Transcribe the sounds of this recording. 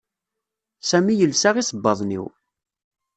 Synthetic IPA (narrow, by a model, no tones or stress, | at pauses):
sæmijəlsaʁisˤəbːɑðˤnḭw